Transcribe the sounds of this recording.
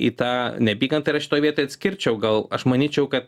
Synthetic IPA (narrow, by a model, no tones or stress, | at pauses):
ḭːt̪ɑːnʲɛbʲiːɡɐnt̪ɐɪɾɐʃʲɪtoːjʋiɛt̪oːjɐt̪ʲsʲkʲɪɾʲt͡ʃʲɛʊɡɐlˠɐʃmɐnʲiːt͡ʃʲɛʊkɐt̪̚